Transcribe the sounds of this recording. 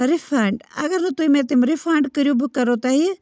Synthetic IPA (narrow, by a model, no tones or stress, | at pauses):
ɾɪfʰaːɳɖɐ̰ɡəɾnɐt̪uimẽːt̪ɪmɾɪfʰaːɳɖkəɾjubɨkɐɾot̪aɦi